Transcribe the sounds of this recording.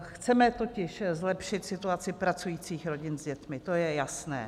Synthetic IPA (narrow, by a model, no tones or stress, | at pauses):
xt͡sɛmɛt̪o̞cɪʃzlɛpʃɪt̪sɪt̪uat͡sɪpɾat͡sujiːt͡siːxɾo̞ɟɪnzɟɛt̪mɪt̪o̞jɛjasnɛ̰ː